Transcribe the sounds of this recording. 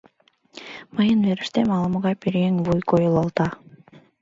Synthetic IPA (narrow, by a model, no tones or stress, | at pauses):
mɯjɯnveɾiʃt̪emɑlˠmʁɑpiɾeŋvujkʰojulˠɑlˠt̪ɑ